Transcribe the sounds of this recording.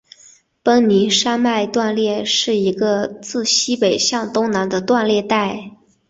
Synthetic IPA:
pə˥ŋni˧˥ʂa˥nma˥˧ɪt̪wa˥˧nljɛ˥˧ʂɻ̩˥˩i˧˥ɡə˧t͡sɹ̩˥˩ɕi˥pe˨˩ɪɕjɑ˥˩ŋt̪ʊ˥ŋna˧˥nd̪ə˧t̪wa˥˧nljɛ˥˧t̪a˥˩ɪ

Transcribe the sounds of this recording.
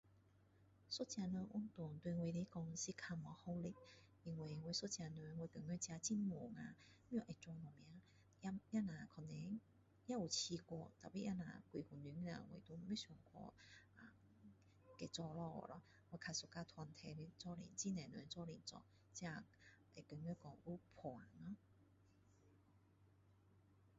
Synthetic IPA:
sɔ˥˦˥t͡ɕja˧nu˧ʔu˧˥nt̪ʊ˨ŋt̪we˧we˧li˦kɔ˧ŋɕi˧kʰa˧mɔ˧˦hɔ˧li˧˥k̚ | i˧ŋwe˧˩˨we˧˦sɔ˥t͡ɕja˧n˧we˧t̪ə˨˩ŋnwe˧˦t͡ɕja˧t͡ɕi˧˩nmu˨˩ŋã˧mĩ˦o˨˧˨ʔɛ˨˩t͡swɔ˧nɔ˨˩mj̃ã˧˦ | a˧˥ja˦˥nã˨˩kʰɔ˧˩nɛ˧˦ | ja˦˥u˨˩t͡ɕʰi˧kwɔ˧t̪a̰˨˩pi˧˩ʔa˦˥nã̰˨˩kwi˧˩hu˨˩ny˧˦ŋ˧a̰˧˨˧wḛ˨˩t̪u˧˦˨me˧˦ɕɔ˨˩ŋkʰwɔ̰˧a˨˩ | ke˧˩t͡sɔ˧lɔ˧ɔ̰˨˩lɔ˧˦ | we˧˦kʰa˧˩su˨˧˩ka˧t̪ʰwa˧nt̪ʰɛ˧le˧t͡sɔ˥˧lḭ˨nt͡ɕi˥˩nɛ̃˨˩nwɛ̰˧˦t͡sɔ˥˧li˨˩nt͡sɔ̰˧˩ | t͡ɕja˧ | e˨˩kə˨˩ŋɛ˧˦kɔ˧ŋu˦pʰwa˨˩˦nnɔ˧˦

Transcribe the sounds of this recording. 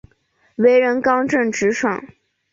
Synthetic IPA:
we˧˥ɪɻə˧˥nkɑ˥ŋʈ͡ʂə˥˩ŋʈ͡ʂɻ̩˧˥ʂʰwɑ̰˨˩˦ŋ

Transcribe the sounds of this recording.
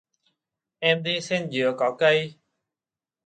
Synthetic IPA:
ʔɛ˧mɗi˧sɛ˧nzɨ̰˨əkɔ˨˦kə˧j

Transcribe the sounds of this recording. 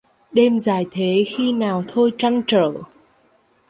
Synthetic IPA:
ɗe˧mzaː˧˩jt̪ʰe˨˦xi˧naː˨˩wt̪ʰo˧jt͡ɕa˧ŋt͡ɕəː˧˩

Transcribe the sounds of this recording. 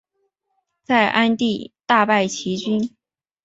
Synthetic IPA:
t͡sa˥˩ɪʔa˥nt̪i˥˧t̪a˥˧pa˥˩ɪt͡ɕʰi˧˥t͡ɕy˥n

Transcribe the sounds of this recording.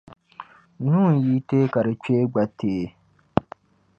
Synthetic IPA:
nũː˦˨n̩˨ji˦teː˦ka˨ɾɨ˨t͡ʃe˦ɡ͡ba˨tʰeː˦˨

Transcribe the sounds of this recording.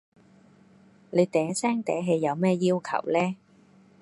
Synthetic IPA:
le˨˧t̪ɛː˨˥sɛː˥ŋt̪ɛ̰ː˨˥ɦe˨˧jːɐ˨˧wmɛː˥jiː˥wkʰɐ̰˨˩wlɛː˥

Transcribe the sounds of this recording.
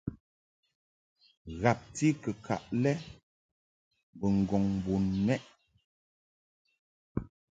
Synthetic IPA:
ɣa˨p̚ti˦kə˨kʰa̰˨ʔlɛ˦ | bə˨ŋ̩˨ɡɔ˨ŋm˨bo˨nːɛ˦ʔ

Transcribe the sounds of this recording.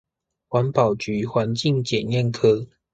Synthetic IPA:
xwa˨˦npɑ˨˩ʊt͡ɕy˨˦xwa˨˦nt͡ɕi˥˨ŋt͡ɕjɛ˨˩njɛ˥˨nkʰɤ˥˦

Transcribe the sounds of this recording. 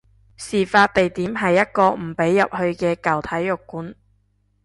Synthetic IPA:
siː˨faː˧t̚t̪e˨jt̪iː˨˥mɦɐ˨jːɐ˥t̚kɔː˧m̩˨˩pe˨˥jːɐ˨p̚hɵ˧ɥkɛː˧kɐ˨wt̪ʰɐ˨˥jːʊ˨kːuː˨˥n

